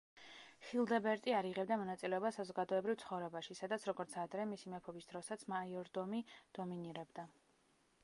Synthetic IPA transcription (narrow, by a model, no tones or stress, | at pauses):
χilˠd̪ɛbɛɾt̪ʼiaɾiʁɛbd̪amɔnat̪sʼilɛɔbasazɔɡad̪ɔɛbɾivt̪sʰχɔvɾɛbaʃisad̪at̪sʰɾɔɡɔɾt̪sʰad̪ɾɛmisimɛpʰɔbisd̪̥ɾɔsat̪sʰmaiɔɾd̪ɔmid̪̥ɔminiɾɛbd̪a